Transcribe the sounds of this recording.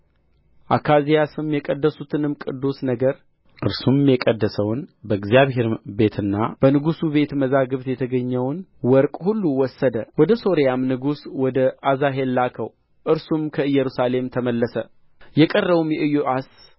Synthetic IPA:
ʔakʰazijasɨmjɛkʼəd̪ːəsut̪ʰɨnɨmkʼɨd̪ːusnəɡəɾ | ʔɨɾsummjɛkʼəd̪ːəsəwnbəɨɡzijaβɦe̞ɾbe̞t̪ʰɨnːa̰b̥ənɨɡusuβe̞t̪məzaɡɨβt̪jɛt̪ʰəɡəɲːɛwnwɔɾkʼhulːuwɔsːəd̪əwɔd̪əso̞ɾijamnɨɡuswɔd̪əazaɦelːakʰəw | ʔɨɾsumkʰəɨjːɛɾusale̞mt̪ʰəməlːəsə | jɛkʼərːəβumjɛʔɨjoʔas

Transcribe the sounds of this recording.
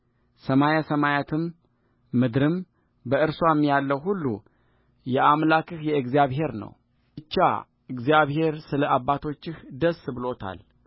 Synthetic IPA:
səmajasəmajat̪ʰɨmː | ɨd̪ɾɨm | bəɨɾswamːjalːəwɦulːṵ | jɛʔamlakɨhjɛɨɡzijaβɦe̞ɾnə̰w | ɨt͡ʃːa̰ | ɨɡzijaβhe̞ɾsɨləabːat̪ʰo̞t͡ʃːɪhd̪əsːbɨlo̞t̪ʰa̰l

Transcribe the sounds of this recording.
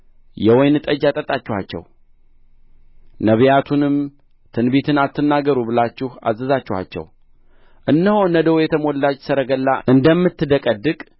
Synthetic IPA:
jɛwɔjnɨt̪ʼəd͡ʒat̪ʼət̪ʼːat͡ʃːɪhat͡ʃːɛ̰w | nəβjat̪ʰunɨm | t̪ʰɨnbet̪ʰɨnat̪ːɨnːaɡəɾubɨlat͡ʃːɪha̰zəzat͡ʃːɪha̰t͡ʃːɛ̰w | ʔɨnːəhonəd̪əwjɛt̪ʰəmo̞lːat͡ʃːsəɾəɡəlːaʔɨnd̪əmːɨt̪ːɨd̪əkʼəd̪ɨkʼ

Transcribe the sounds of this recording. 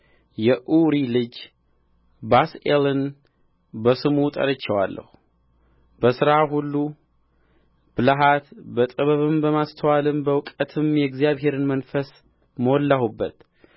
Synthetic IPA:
jɛʔuɾilɨd͡ʒ | baselɨn | bəsɨmut̪ʼə̰ɾət͡ʃːɛwalːə̰hu | b̥əsɨɾaɦulːu | b̥ɨlaɦat̪bət̪ʼɨβəβɨmbəmast̪ʰəwalɨmbəwkʼət̪ʰɨmjɛɡzijaβɦe̞ɾɨnmənfəs | məwɔlːahubːət̪

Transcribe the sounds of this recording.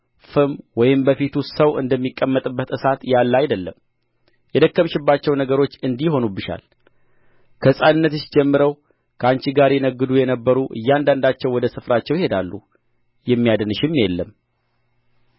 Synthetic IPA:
fɨmwɔjɪmbəfit̪ʰusəwɨ̰nd̪əmːikʼːəmːət̪ʼɨbːət̪ʼɨsat̪jalːajd̪əlːəm | jɛd̪əkːəmʃɪbːat͡ʃːɛwnəɡəɾot͡ʃːɨnd̪iho̞nubɨʃa̰l | kʰəsʼannːət̪ɨʃd͡ʒɛmːɨɾəw | kʰəant͡ʃiɡaɾjɛnəɡːɨd̪ujɛnəbːəɾuʔɨ̰jːand̪and̪at͡ʃːɛwɔd̪əsɨfɾat͡ʃːɛwjɪhe̞d̪alːṵ | jɛmːijad̪ɨnɨʃɪmːjɛlːəm

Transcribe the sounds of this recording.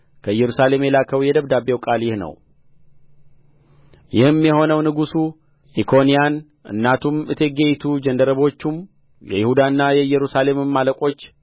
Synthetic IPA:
kʰəɨjːɛɾusale̞mjɛlakʰəwjɛd̪əβd̪abewkʼaljɪhnə̰w | jɪhɨmjɛho̞nəwnɨɡusu | ʔikʰo̞nijan | ʔɨ̰nːat̪ʰumɨt̪ʰeɡejt̪ʰud͡ʒənd̪əɾəβo̞t͡ʃːum | jɛ̰jɪhud̪anːajɛɨjːɛɾusale̞mɨmːaləkʷʼo̞t͡ʃː

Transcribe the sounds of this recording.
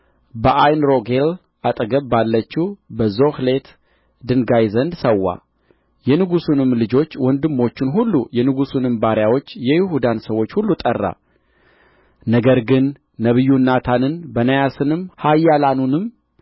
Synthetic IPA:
bəʔajnɾo̞ɡel | ʔat̪ʼəɡəβbːalːət͡ʃːuwbəzo̞hle̞t̪ | d̪ɨnɡajzənd̪səwːa̰ | jɛnɨɡusunɨmlɨd͡ʒo̞t͡ʃːwɔnd̪ɨmːo̞t͡ʃːɪnɦulːujɛnɨɡusunɨmbaɾjawo̞t͡ʃːjɛjɪhud̪ansəwo̞t͡ʃːhulːut̪ʼərːa̰ | nəɡəɾɡɨnː | əβɨjːunːat̪ʰanɨnbənəjasɨnɨmhajːalanunɨm

